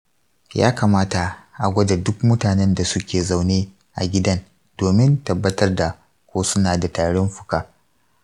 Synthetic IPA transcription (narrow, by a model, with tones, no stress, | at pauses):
ja̰ː˦ka˨maː˦ta˨ʔa˨ɡʷɐ˦da˨dʊ˦k̚mʊ˦taː˨nɛ˦nda˨sʊ˦kʲeː˨za˨wneː˦ | ʔa̰˨ɡʲɪ˦dɐ˦n | doː˨mɪ˦ntɐ˨bːɐ˦tɐ˦rda˨ | kʷoː˦sʊ˦naː˨da˨taː˨ɽɔ˦mɸʊ̥˦˨kaː˦